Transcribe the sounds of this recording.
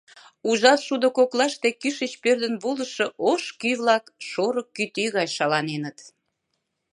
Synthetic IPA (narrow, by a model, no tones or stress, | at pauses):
uʒɑt̪ʃud̪okoklɑʃt̪ekyʃət͡ɕpørd̪ə̆nβolə̆ʃŏʔoʃkyβlɑkʃoɾəkːyt̪yɣɑjʃɑlɑnenət̪